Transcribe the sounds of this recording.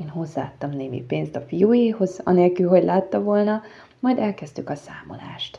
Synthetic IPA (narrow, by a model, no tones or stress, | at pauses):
eːnɦo̞zːa̰ːt̪ːɒmneːmḭpeːnst̪ɒfijuːjeːho̞zɒ̰neːlkylɦo̞ɟlʔaːt̪ːɒvo̞lnɒ | mɒjd̪ɛlkɛzt̪ykɒsaːmo̞̰la̰ːʃt̪